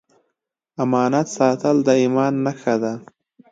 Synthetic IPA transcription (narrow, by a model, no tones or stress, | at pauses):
amɑːnat̪sɑːt̪əld̪əimɑːnːaxad̪a